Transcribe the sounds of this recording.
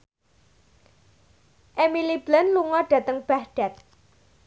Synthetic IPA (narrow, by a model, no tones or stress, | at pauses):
ʔemilib̥lanluŋɔɖ̥ä̤t̪əŋb̥ahɖ̥a̤t̪̚